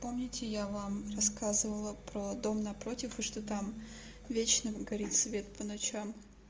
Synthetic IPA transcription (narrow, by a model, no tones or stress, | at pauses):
po̞mnʲɪtʲɪjavamrɐskazɨvəlˠəpɾod̪o̞mnɐpɾo̞tʲɪfɨʂt̪ot̪am | vʲet͡ɕnɨɡɐɾʲit̪svʲe̞t̪̚pənɐt͡ɕam